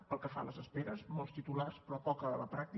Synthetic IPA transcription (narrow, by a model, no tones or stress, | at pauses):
pəlˠkəfa̰ləzəspeɾəzmolˠst̪it̪ularspɾɔpɔkəələpɾak̚t̪i